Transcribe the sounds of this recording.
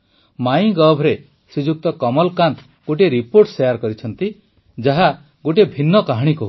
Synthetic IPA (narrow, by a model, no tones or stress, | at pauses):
maj̃ɡɔbʱɾe | sud͡ʒuk̚t̪ɔkɔmɔlkant̪ | ɡoʈ̬eɾipoɾʈsejaɾkɔɾit͡ʃʰɔnt̪i | d͡ʒaɦa | ɡoʈ̬ebʱinːɔkaɦɽ̃ikɔɦ